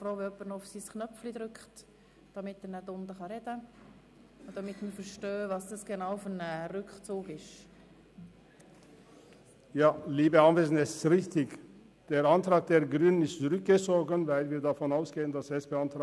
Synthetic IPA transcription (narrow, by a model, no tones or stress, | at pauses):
fɾoːʋɪœpːəɾnɔʊfsiːsknœflid̪ɾʏkχt | d̥ɑmɪtːənədʊnd̪əχɑɾɛd̥ə | d̥ɑmɪt̪məfəɾʃtøːvɑsd̥ɑsɡ̥enawfɔnəɾʏkχt͡suːɡɪʃ | jɑːliːbəɑnveːsn̩ɛssʁɪçt̪ɪɡ | d̪̥eːɾɑnt̪ɾɑːɡ̚d̪eːɾɡɾyːnənɪstt͡sʊɾʏk̚ɡ̥ət͡soːɡənvæɪlviːdafɔnaʊsɡ̥eːənd̪ɑsɛspeːɑnt̪ː